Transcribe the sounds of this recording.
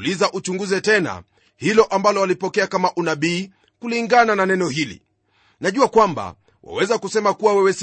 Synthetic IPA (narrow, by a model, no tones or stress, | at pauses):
lizaʔut͡ʃuŋɡuzɛtɛna̰ | hilɔʔambalɔalipɔkɛakamaʔunaɓiː | kuliŋɡanananɛnɔhilḭ | naʄuakwamba̰ | wa̰wɛzakusɛmakuwawɛwɛs